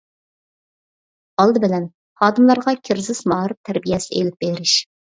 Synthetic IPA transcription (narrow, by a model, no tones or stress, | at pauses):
ɑlˠd̪ɨbɪlɛn | χɑːd̪ɨmlˠɑɾʁɑkʲʰɪɾzɪzmɑːɾɨp̚t̪ʰæɾbijɛsɪʔelɪp̚beɾɪʃ